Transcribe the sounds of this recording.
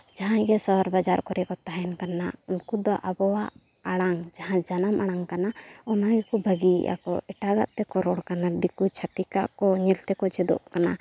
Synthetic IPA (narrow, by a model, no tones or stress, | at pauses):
d͡ʒaɦãɡɛsɔɾbad͡ʒaɾkɔɾɛkɔt̪aɦɛnkanaunkud̪ɔʔabɔwaʔ | aɽ̃aŋd͡ʒaɦãd͡ʒanamaɽ̃aŋkanaɔnaɡɛkubʱəɡḭʔa̰kɔ̰ɛʈaɡa̰ʔt̪ɛkɔɾɔɽkanad̪ikut͡ʃʰat̪ika̰ʔkɔɲɛlt̪ɛkɔt͡ʃɛd̪ɔ̰ʔkana